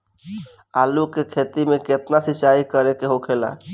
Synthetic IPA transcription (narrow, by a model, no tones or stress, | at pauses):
aːlukekʰet̪imẽket̪nasit͡ʃaikəɾekeɦokʰela̰